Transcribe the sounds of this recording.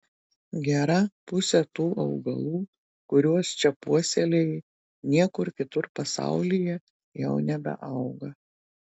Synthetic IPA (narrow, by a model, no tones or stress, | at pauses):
ɡʲæɾɐpʊsʲɛt̪uːʔɐʊɡɐ̰lˠuː | kʊɾʲuɔst͡ʃʲɛpuɔsʲɛlʲɛɪ | nʲiɛkʊɾkʲɪt̪ʊɾpɐsɑ̰ˑʊlʲɪjɛ | jɛʊnʲɛbʲɛ̰ʔɐʊɡɐ